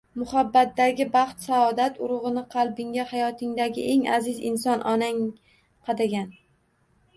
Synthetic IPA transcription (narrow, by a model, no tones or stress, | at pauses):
mʊhabːat̪̚dːaɡʲɪbɑχt̪saɒd̪at̪ʰʊɾʊʁɨnɪqʰɑlˠbɪŋɡʲahajɒt̪ʰɪŋd̪aɡʲɪ̰ʔe̞ŋa̰zɪzɪ̰nsɒnʔɒnaŋ | qʰɑd̪aɡʲan